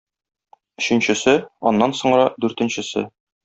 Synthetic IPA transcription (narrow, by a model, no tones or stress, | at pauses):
ɵ̆ɕɘ̆nɕɘ̆sɘɒ̰nːɑnsŏɴ̆ɾɑd̪ʉɾt̪ɘ̆nɕɘ̆sɘ̰